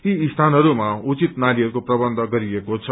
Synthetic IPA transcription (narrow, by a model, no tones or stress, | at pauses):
t̪iːst̪ʰanɦʌɾumaut͡sit̪naɾiɦʌɾukoprʌbʌnd̪ʱʌɡʌɾiekot͡sʰʌ